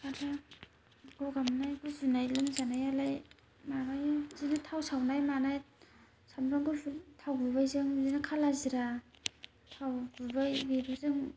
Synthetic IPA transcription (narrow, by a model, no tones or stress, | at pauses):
kana | ɡɯɡamnajɡɯzunajlɯmzanajalaj | manajzinɯtʰawsawnajmanaj | samɾaŋɡɯtʰawbubajzɯŋzinakʰalaziɾa | tʰawbubajbebɯzɯŋ